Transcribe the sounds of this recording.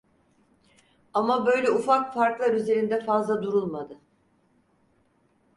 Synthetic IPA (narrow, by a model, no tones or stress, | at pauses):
amabø̞jlʲɛufakfaɾklˠaɾyze̞ɾind̪ɛfazlˠad̪uɾulˠmad̪ɯ